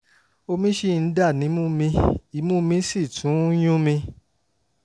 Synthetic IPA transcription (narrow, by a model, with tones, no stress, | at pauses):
o˧mĩ˦ʃi˦˨˧n̩˦da˦˨nĩ˨˦mũ˦mĩ˧i˨˦mũ˦mĩ˧˦si˦˨tʰũ˨˦j̃ũ˦mĩ˧